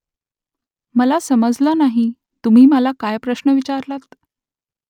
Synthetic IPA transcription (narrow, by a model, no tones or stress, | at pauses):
məlasəməd͡zlɔnaɦi | t̪um̤iːməlakajpɾəɕnəʋit͡ɕaɾlat̪